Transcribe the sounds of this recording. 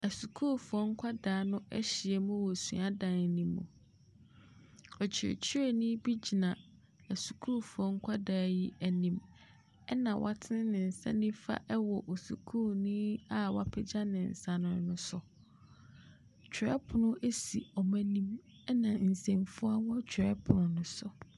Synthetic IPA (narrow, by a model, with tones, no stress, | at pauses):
æ˨su˨kʰu˦fʊ˨ɔ˦ŋ̩˦kʷʰa˦daː˨˦nʊ̃˦ɛ˦ɕɪ˨ɛ˨mʊ̃˦wɔ˨sṵ̃˨a˦dã˨n˨nĩ˦mːṵ̃˨ | ɔ˨t͡ɕʰɪ˨ɾḛ˨t͡ɕʰi˦ɾe˨nĩ˦bi˦d͡ʑi˨nã˨ | æ˨su̥˨kʰuː˦fu˨ɔ˦ŋ̩˦kʷʰa˦daː˨˦ji˦ʔæ˨nĩ˦m | ɛ˦nã˨wʔa̰˦tʰɪ˦nɪ̃˦nɪ̃˨n̩˨sã̰˦nĩ˦fa̰˦ʔɛ˦wɔ˨ʔo˨su˨kʰuː˦˨nĩ˦a˦wa˨pʰɪ˦d͡ʑa˦nɪ̃˨n̩˨sa˨nʊ̃˨˦nʊ̃˦sʊ˨ | t͡ɕᶣʰɾɛ˦pʰʊ˨nʊ̃˦ʔe˦si˨ɔ˨mæ̃˦nĩ˦m | ɛ˦nã˨n̩˨sẽ˨mfʊ˦a˦wɔ̃˦t͡ɕʰᶣɛ˦pʰʊ˨nʊ̃˨nʊ̃˨sʊ˨